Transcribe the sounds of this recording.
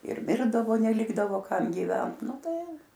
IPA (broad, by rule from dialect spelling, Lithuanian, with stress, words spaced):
ɪr ˈmʲɪrdɐʋoː nʲɛˈlʲɪɡdɐʋoː ˈkɐm ɡʲiːˈʋʲɛnt ˈnʊ ˈtɐɪ